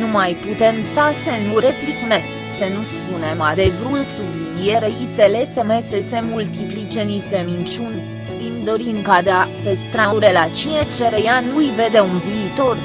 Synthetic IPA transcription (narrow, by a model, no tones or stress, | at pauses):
numajput̪e̞mst̪asenuɾe̞plikme | sənuspunemad̪evɾulsublinieɾeiselesəmesesemult̪iplit͡ʃenist̪emint͡ʃun | d̪ind̪o̞ɾiŋkad̪apest̪ɾaɾelat͡ʃinet͡ʃeɾejanujve̞d̪eunviːt̪o̞r